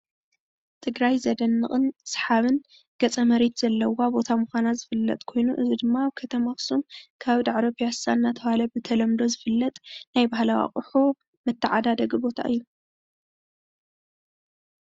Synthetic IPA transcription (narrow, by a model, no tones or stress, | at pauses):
t̪ʰɨɡɾajzɐd̪ɐnːɨχʼɨnsħaβɨn | ɡ̥ɐt͡sʼɐmɐɾet̪z̥ɐlːɐwabo̞t̪ʰamɨxʷanazɨfɨlːɐ̰t̪ʼkʰo̞jnuʔɨzid̪ɨmːaaβkʰɐt̪ʰɐmaxsumkʰaβd̪aʕaɾopʰijasanːat̪ʰɐβalɐbɨt̪ʰɐlɐmd̪o̞zɨfɨlːɐt̪ʼnajbahlawa̰χʼɨħu | mɨt̪ʰːɨʕad̪ad̪ɐɡbo̞t̪ʰa̰ʔɨjːu